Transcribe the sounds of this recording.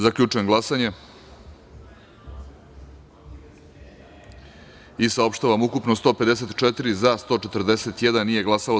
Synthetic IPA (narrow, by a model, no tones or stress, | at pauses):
zakʎʲut͡ʂujeŋɡlˠasaɲe | isao̞pʃt̪aʋamukupnost̪o̞ped̪es̬et̪t͡ʃet̪iɾizast̪o̞ːt͡ʃe̞t̪rd̪e̞set̪jed̪annːije̞ɡlˠasalo